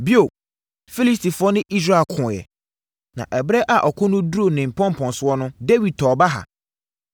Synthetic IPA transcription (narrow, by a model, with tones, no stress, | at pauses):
bi˦o˨ | fi˦li˦s̬tʰi˨fʊ˦ɔ˦nɪ̃˦ʔi˦s̬ɾa˦˨kʰʊ̃˨jɛ̰˨ | nã̰˨ʔɛ˨bɾɛ˦ʔa˨ʔɔ˨kʰʊ̃˦nʊ̃˦du˦ɾo˦˨nɪ̃˨m̩˨pʰɔ̃˦m˨pʰɔ̃˨n˨sʊ˦ɔ˦nʊ̃˦de˦wi˨d̚tʰɔː˨ba˦ɦa̰˨